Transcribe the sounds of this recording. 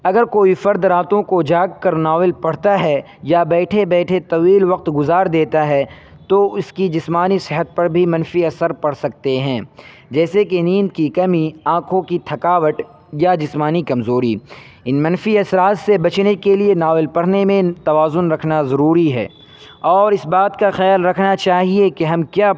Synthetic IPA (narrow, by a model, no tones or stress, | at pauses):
ɐɡəɾkoːifɐɾd̪ɾaːt̪õkod͡ʒaːɡ̚kɐɾnaːʋɪlpɐɽ̤t̪aɦɛ | jabɛːʈʰebɛːʈʰet̪ɐʋiːlʋɐq̚t̪ɡʊzaːɾd̪eːt̪aɦɛ | t̪oʊskid͡ʒɪsmaːnisɪɦət̪̚pɐɾbʱimɐ̃nfiɐsəɾpɐɽ̤sɐk̚t̪eɦɛ̃ː | d͡ʒɛːsekenĩːnd̪kikɐmiãːkʰõkit̪ʰɐkaːʋəʈ̪ | jad͡ʒɪsmaːnikɐmzoːɾḭ | ɪnmɐ̃nfiɐsɾaːt̪sebɐt͡ʃnekelienaːʋɪlpɐɽ̤nemẽt̪ɐʋaːzʊnɾɐkʰnazɐɾuːɾiɦɛ̰ː | ɔːɾɪsbaːt̪kaxɛjaːlɾɐkʰnat͡ʃaːɦiekeɦɐmkjaː